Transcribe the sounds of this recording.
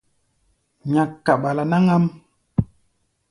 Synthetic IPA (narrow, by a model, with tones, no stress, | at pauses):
ɲa˨kːa˨ɓa˨la˨na˦ŋa˦m